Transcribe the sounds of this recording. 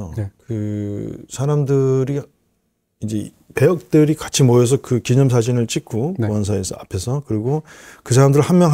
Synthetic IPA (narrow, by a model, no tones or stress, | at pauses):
okɯ | sʰaɾamdɯɾi | id͡ʑe̞ | pe̞jʌk̚t͈ɯɾikat͡ɕʰimʌjʌs̬ʰʌkɯkiɲʌms̬ʰad͡ʑinɯɭt͡ɕ͈ikʰoʌns̬ʰaesʰa̰pʰe̞sʰʌkɯɾiɡokɯsʰaɾamdɯɾɯɭhammjʌŋɦ